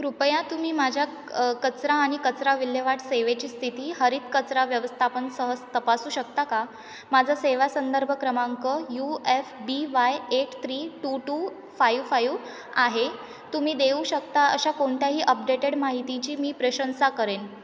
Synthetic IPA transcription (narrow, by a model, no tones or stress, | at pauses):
kɾupjãt̪um̤iːmad͡ʑʱja | kət͡sɾãːɽ̃ikət͡sɾaʋiljəʋaʈseʋet͡ɕiːst̪ʰit̪iːɦəɾiːt̪̚kət͡sɾaʋjəʋəst̪ʰapənsəɦəd͡zt̪əpasuːɕək̚t̪aka | mad͡zʱaseʋasənd̪əɾbʱəkɾəmaŋkəjuefbiʋajeʈt̪ʰɾiːʈuʈu | fajʋfajʋ | aɦe | t̪um̤iːd̪euːɕək̚t̪aəɕakoɳt̪jaɦiːʔəp̚ɖeʈeɽmaɦit̪it͡ɕiːmiːpɾəɕənsakəɾen